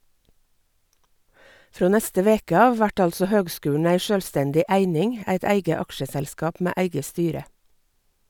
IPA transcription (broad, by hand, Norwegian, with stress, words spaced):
ˈfɾoː ˈnɛstə ˈʋeːkə ˈɑːʋ ˈʋæʈ ˈɑlsɔ ˈhøːɡˌskʉːɳ̩ ˈæɪ ˈʃøːlˌstɛndɪ ˈæɪnɪŋ ˈæɪt ˈæɪɡə ˈɑkʃəˌsɛlskɑːp ˈmeː ˈæɪɡə ˈstyːɾə